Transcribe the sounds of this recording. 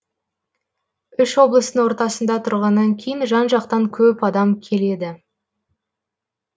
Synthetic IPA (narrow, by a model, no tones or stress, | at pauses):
ʏʃwo̞blˠəst̪əŋwo̞ɾt̪ɑsənd̪ɑt̪ʰʊɾʁɑnːɑŋkʲʰe̞jɪnʒɑnʒɑq̚t̪ɑŋkʲʰɵpɑd̪ɑmkʲʰe̞le̞d̪ɪ